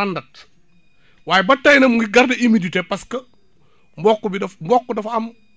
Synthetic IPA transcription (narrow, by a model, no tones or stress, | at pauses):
andɐt̚ | waːjɛbɐtːɐjnɐmuŋɡiɡɐɾdɐimiditɛpɐskɐ | mbɔkːubidɐfmbɔkːɔdɐfɐm